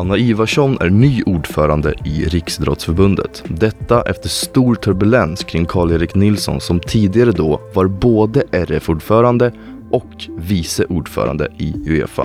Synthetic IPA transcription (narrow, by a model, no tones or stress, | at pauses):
anːaiːvaʂɔnʔæ̰ɳyːʔuːɖfœːɾand̪ə̰ɪɾɪksd̪ɾɔ̰t̪sfœɾbɵnd̪ə̰t̪d̪ɛt̪ːaʔɛ̰ft̪əʂt̪uːɾʈ̪ʰɵɾbɵlɛnskʰɾɪŋːkʰɑːɭeːɾɪknɪlsɔ̰nsɔmt̪ʰiːd̪ɪɡaɾəd̪ɔːvaɾboːd̪əʔɛɾɛfuːɖfœːɾand̪ə | ʔɔkviːsəʔuːɖfœ̰ːɾa̰nd̪ə̰ɪɵḛːfa̰